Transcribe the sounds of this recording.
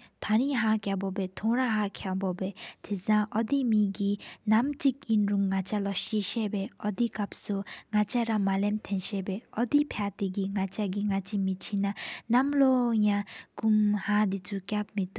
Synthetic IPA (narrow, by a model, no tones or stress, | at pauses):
t̪ʰaɹiɦakabɔpɛt̪ʰoɹaɦakʰabɔbɛt̪ʰezãŋʔɔd̪imiɡinamt͡ɕik̚inɹuŋːat͡ɕalɔɕiɕɛpɛːʔɔd̪ikap̚suŋat͡ɕaɾamalemt̪ʰɛnɕɛpɛːɔd̪ipʰjat̪eɡiŋat͡ɕaɡiŋat͡ɕimit͡ɕʰinanamlojakumhad̪it͡sʰukʲap̚med̪u